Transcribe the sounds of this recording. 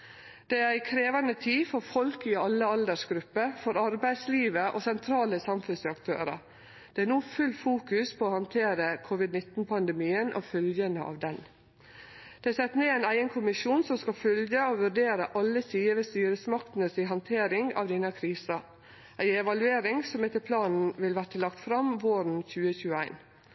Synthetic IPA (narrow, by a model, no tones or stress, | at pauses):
d̪̥ɛæɾæɪkʰɾeːʋɑnət̪ʰiːfɔɾfɔlkɪɑlːəɑld̪əʂɡɾʉpːəɾfɔɾɑɾbæɪd̪sliːʋəʔo̰sɛnt̪ʰɾɑːləsɑmfʉnsɑkt̪ʰø̰ːɾɑ̰ | d̪̥ɛænuːfʉlːfuːkʉspʰɔːhɑnt̪ʰeːɾəkʰʊʋɪd̪nɪt̪n̩pʰɑnd̪əmiːənʔɔ̰fœljənəʔɑ̰ːʋd̪ɛn | d̪̥ɛæsɛt̪ːneːæɪnæɪənkʰʊmɪʂuːnsɔmskɑfœljəoʋʉɖeːɾəʔɑlːəsiːəʋɛst̪yːɾəsmɑkt̪n̩əsɪɦɑnt̪ʰeːɾɪŋɑ̰ʋd̪ɪnəkʰɾiːsɑ | ʔæɪɛʋɑlʉeːɾɪŋsɔmɛt̪ːəpʰlɑːnn̩ʋɪlʋæʈəlɑkt̪fɾɑmʋoːɾn̩çʉːəçʉːəæ̰ɪn